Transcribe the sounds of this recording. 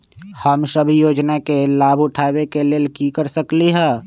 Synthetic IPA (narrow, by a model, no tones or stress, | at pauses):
həmsəbʱjoːd͡ʒnakelaːbʱʊʈʰaːwekeleːlkikəɾsəkliɦɛː